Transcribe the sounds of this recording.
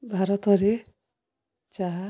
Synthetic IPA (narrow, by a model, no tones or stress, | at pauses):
bʱaɾɔt̪ɔɾe | t͡ʃaɦa